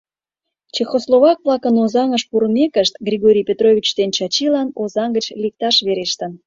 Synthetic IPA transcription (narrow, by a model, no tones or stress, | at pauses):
t͡ɕexoslˠoβɑk̚βlˠɑkənozɑŋəʃpuɾəmekəʃt̪ɡrʲiɣoɾʲijpʲet̪roβʲit͡ɕd̪ent͡ɕɑt͡ɕilɑnozɑŋɡət͡ɕlik̚t̪ɑʃβeɾeʃt̪ən